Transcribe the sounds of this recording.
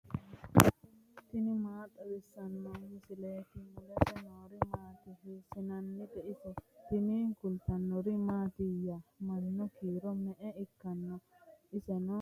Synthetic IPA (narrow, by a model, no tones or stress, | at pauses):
t̪ɪnɪmaːt̪ʼːɐd̪ɛsːɐnːɔmɪsɪleːt̪ɪmʊd̪ɛsɛnoːɾɪmaːt̪ɪɦɪsɪnɐnːɪd̪ɛʔɪsɔt̪ɪnikʊlt̪ɐnːɔɾɪmaːt̪ɪjɐmɐnːɔkiːɾɔmɛʔɛɪkːɐnːɔɪsɛnɔ